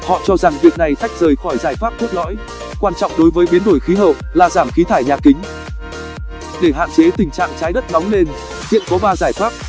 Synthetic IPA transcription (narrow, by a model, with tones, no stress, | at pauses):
hɔ̰˧˨t͡ɕɔ˧za˨˩ŋvi˨˩ək̚na˨˩jt̪ʰa˦˥jk̟̚zəː˨˩jxɔ˧˩jzaː˧˩jfaː˦˥p̚t̪ʰu˦˥t̚lɔ̰˧˥j | kwaː˧nt͡ɕɔ̰˧˨wŋ͡mɗo˨˦jvəː˨˦jɓi˨˦ənɗo˧˩jxi˨˦ɦəː˨˩p̚laː˨˩zaː˧˩mxi˨˦t̪ʰaː˧˩jɲaː˨˩kï˨˦ŋ̟ | ɗe˧˩ɦa̰ː˧˨nt͡ɕe˨˦t̪ï˨˩ŋ̟t͡ɕa̰ː˧˨ŋt͡ɕaː˨˦jɗə˦˥t̚nɔ˨˦wŋ͡mle˧n | hḭ˧˨ənkɔ˨˦ɓaː˧zaː˧˩jfaː˦˥p̚